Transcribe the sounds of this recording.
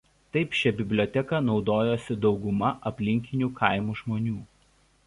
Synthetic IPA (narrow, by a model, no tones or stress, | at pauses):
t̪ɐɪpʃʲɛbʲɪbʲlʲoːt̪ʲɛkɐnɒʊd̪oːjoːsʲɪd̪ɒʊɡʊmɐʔɐpʲlʲɪŋʲkʲɪnʲuːkʰɐˑɪmuːʒmoːnʲuː